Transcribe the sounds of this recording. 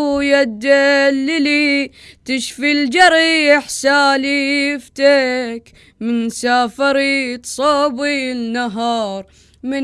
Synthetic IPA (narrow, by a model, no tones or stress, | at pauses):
jad̪ːalːilit̪ɪʃfild͡ʒɑɾˤiɪħsaːliɪft̪eːk | mɪnsaːfɑɾit̪sˤɑːbinaɦɑːɾˤ | mɪ